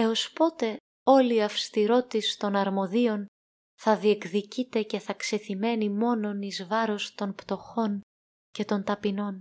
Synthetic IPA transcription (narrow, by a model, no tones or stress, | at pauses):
e̞o̞spo̞t̪e̞ | o̞liɐfst̪iɾo̞t̪ist̪o̞nɐɾmo̞ðio̞n | θɐðie̞kðicit̪e̞ce̞θɐkse̞θime̞nimo̞no̞nizvɐɾo̞st̪o̞npt̪o̞xo̞n | ce̞t̪o̞nt̪ɐpino̞n